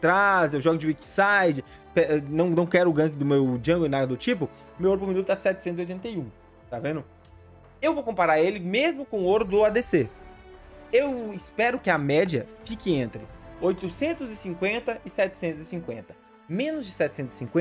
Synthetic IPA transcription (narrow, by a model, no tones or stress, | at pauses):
t̪ɾazewʒɔɡʊd͡ʒɪwiksajd͡ʒɪ | pɛnɐ̃w̃nɐ̃w̃kɛɾʊɡɐ̃k̬ɪd̪ʊmewd͡ʒɐ̃ɡoɪ̃nad̪ɐd̪ʊt͡ʃip̬ʊ | mewoɾp̬ʊɾminut̪ʊɛsɛt͡ʃɪsẽt̪ziojt̪ẽnt̪ɐiũ | t̪avẽnd̪ʊ | ewvowkõmpaɾaɾelɪmezmʊkõoɾʊd̪ʊad̪ese | ewɪspɛɾʊkɪɐmɛd͡ʒɐfikɪẽnt̪ɾɪojt̪ʊsẽnt̪ʊzɪsĩŋkwẽnt̪ɐʔɪsɛt͡ʃɪ̥sẽnt̪ʊzɪsĩŋkwẽnt̪ɐ | mẽnʊzd͡ʒɪsɛt͡ʃɪ̥sẽnʊzɪ̥sĩŋkwẽ